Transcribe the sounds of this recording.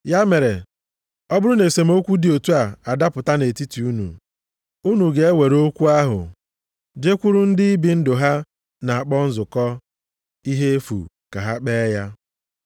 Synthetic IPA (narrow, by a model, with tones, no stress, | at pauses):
ja˦me˨ɾe˨ | ɔ˦bʊ˦ɾʊ˦ne˨se˨m̩˦o˦kʷu˦di˨o˨tu˦a˨a˨da˦pʊ˨ta˦ne˨ti˦ti˨u˦nṵ˨ | u˦nu˨ɡe˨e˦we˨ɾo˦kʷu˦a˦ɦʊ̰˨ | d͡ʒe˦kʷu˦ɾʊ˦n̩˦dɪ˦i˦bi˨n̩˦dʊ˨ɦa˦ | na˨a˨k͡pɔ˦n̩˦zʊ˨kɔ˦ | i˦ɦe˦fṵ˨ | ka̰˨ɦa˦k͡peː˦ja˦